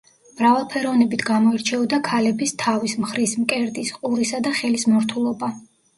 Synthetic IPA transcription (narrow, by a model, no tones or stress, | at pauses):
mɾavalˠpʰɛɾɔvnɛbit̪ʰɡamɔɛɾt͡ʃʰɛɔd̪akʰalɛbist̪ʰavismχɾismkʼɛɾd̪isqʼuɾisad̪aχɛlismɔɾt̪ʰulˠɔba